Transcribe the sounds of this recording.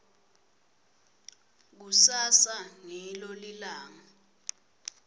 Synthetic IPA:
k̬usasaŋɛlolilaːŋa

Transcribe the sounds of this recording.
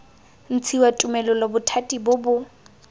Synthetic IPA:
n̩t͡sʰiwatʼumɛlʊlɔbʊtʰatʼibʊbʊ

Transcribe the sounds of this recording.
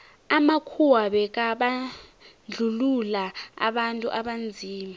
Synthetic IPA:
amakʰuwaɓɛk̬aɓand͡ɮʱululaa̰ɓantʼṵʔaɓand͡zʱiːma

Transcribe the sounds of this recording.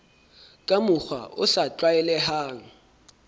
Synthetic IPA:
kʼamʊk͡xʰwa̰ʊ̰satʼwaɛlɛɦaːŋ̩

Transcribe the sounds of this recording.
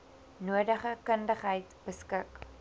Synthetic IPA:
nuədəχəkəndəχɦəjtb̥əskək

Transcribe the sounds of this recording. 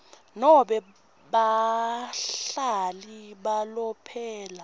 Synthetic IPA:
nɔɓɛ | ɓa | ɬaliɓalɔpʰɛːla

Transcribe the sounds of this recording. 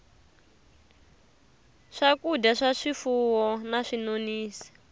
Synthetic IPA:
ʂakudaʂaʂifuwɔnaʂinoniːsi̥

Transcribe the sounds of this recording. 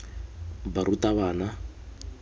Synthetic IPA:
baɾutʼaβaːna

